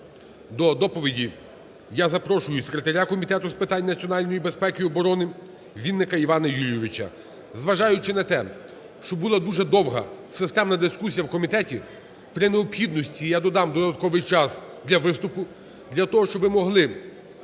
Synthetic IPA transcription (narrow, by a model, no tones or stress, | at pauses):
d̪ɔd̪ɔpɔʋʲidʲi | jazɐpɾɔʃʊjʊsekɾʲet̪ɐɾʲakɔmʲit̪ɛt̪ʊspɪt̪ɑnʲnɐt͡sʲiɔnɑlʲnɔjibespɛkɪɔbɔɾɔnɪ | ʋʲid̪ːɪkɐiʋɑnɐjulʲjɔʋʲɪt͡ʃɐ̰ | zʋɐʒɑjʊt͡ʃɪnɐt̪ɛ | ʃt͡ʃɔbulˠɐd̪uʒɛd̪ɔwɦɐ̰sɪst̪ɛmnɐd̪ɪskusʲijɐwkɔmʲit̪ɛtʲi | pɾɪneɔpxʲid̪nɔsʲtʲijad̪ɔd̪ɑmd̪ɔd̪ɐt̪̚kɔʋɪjt͡ʃɑs | d̪lʲɐʋɪst̪ʊpʊ | d̪ʲlʲɐt̪ɔɦɔʃt͡ʃɔbʋɪmɔɦlˠɪ